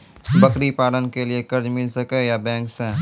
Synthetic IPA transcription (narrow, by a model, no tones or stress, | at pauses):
bɐkɾipaːlənkeliekɐɾd͡ʒmɪlsɐkejabɛ̃ːŋksɛ̃ː